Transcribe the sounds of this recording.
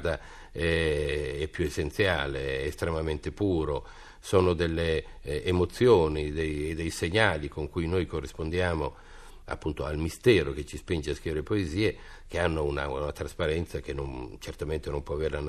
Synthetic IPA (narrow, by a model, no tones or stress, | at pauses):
d̪a | ɛ | ɛpːjuesːent̪sjaːleːst̪ɾemament̪epuːɾo | soːnod̪elːeː | mot̪sːjoːnid̪ejed̪ejseɲːaːlikoŋkujnojkorːispond̪jaːmo | a̰pːunt̪oalmist̪ɛːɾok̟et͡ʃːispind͡ʒeaskɾiveɾepoeziːe | k̟eanːouna̰unat̪ɾaspaɾɛnt̪sak̟enːont͡ʃert̪ament̪enompwɔaveɾelan